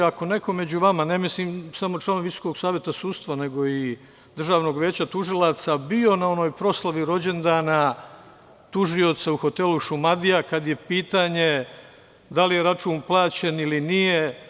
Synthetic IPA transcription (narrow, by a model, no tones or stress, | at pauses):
ako̞ne̞ko̞me̞d͡ʑuʋamane̞misliːmsamo̞t͡ʃlˠaːnoʋiso̥ko̞ɡsaːʋjet̪asuːd̪st̪ʋane̞ɡo̞i | d̪rʒaːʋno̞ɡʋje̞ːt͡ɕat̪uʒilˠat̪sabio̞nao̞no̞ːjpɾo̞slˠaʋiɾo̞d͡ʑe̞nd̪aːna | t̪uʒio̞t̪sauxo̞t̪e̞luʃumad̪ijakad̪je̞piːt̪aːɲe̞ | d̪alijeɾat͡ʃuːnplˠaːt͡ɕe̞nilinije